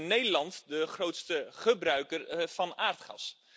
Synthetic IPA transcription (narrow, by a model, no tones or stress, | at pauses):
nːejdəlɑntdəχrowtstəχəbrœɥkərv̥ɑnaːɹtχɑ̰s